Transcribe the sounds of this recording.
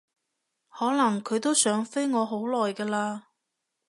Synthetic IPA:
hɔː˨˥nɐ˨˩ŋkʰɵ˨˧ɥt̪o˥wsœː˨˥ŋfe˥jŋɔː˨˧ɦo˨˥wlɔː˨˩jkɐː˧laː˧

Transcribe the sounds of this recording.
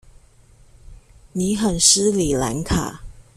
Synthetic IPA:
ni˧˥xə˨˩nʂ̩˥li˨˩la̰˧˥nkʰa̰˨˩˦

